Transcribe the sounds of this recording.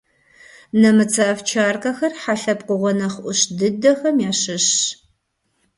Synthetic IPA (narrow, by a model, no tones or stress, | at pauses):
nɐmɨt͡sʰaɐft͡ʃʰaːrkɐxɐrħaɬɐpqʷʊʁʷɔnɐχʷʔʷʊɕdɨdɐxɐmjaːɕɨɕ